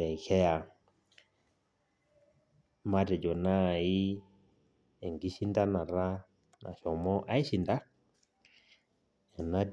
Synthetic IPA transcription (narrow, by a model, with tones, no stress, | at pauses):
ɛ˨kɛ˦a˨ | ma˦tɛ˨d͡ʒɔ˨na˦˨i˦ | e˨ŋɡi˦ʃi˦nda˦na˨ɾa˦ | na̰˨ʃɔ˨mɔ˦ʔa˦i˦ʃi˨nda˦ | ɛ˨na˦d